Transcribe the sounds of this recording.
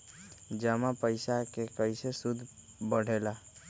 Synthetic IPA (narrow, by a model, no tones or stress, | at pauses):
d͡ʒəmapəɪsakekəjsesud̪ʱ | bəɽ̤ʱela